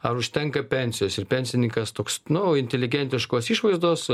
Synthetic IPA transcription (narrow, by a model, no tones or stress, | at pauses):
ɐɾʊʃʲt̪ʲɛŋkɐpʲɛnʲsʲɪjoːsɪrpʲɛnʲsʲɪnʲɪŋkɐst̪oːksnʊɪnʲt̪ʲɛlʲɪɡʲɛnʲt̪ʲɪʃkoːsiːʃʋɐɪzd̪oːs